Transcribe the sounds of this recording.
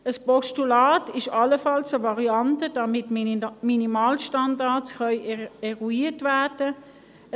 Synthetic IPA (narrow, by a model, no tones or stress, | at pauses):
əspɔʃtulaːtɪʃɑləfɑlsəvɑʁiɑntəd̥ɑmɪtminimaːlʃtɑndasχœʏɛʁuiːtvæɐd̥ə